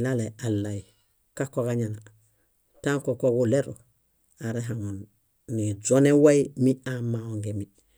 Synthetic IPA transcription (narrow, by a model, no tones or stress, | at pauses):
lalealːai | kakokaɲana | taŋkokoɡuleɾo | aɾeɦaŋunː | izonewaimiamaoŋɡemi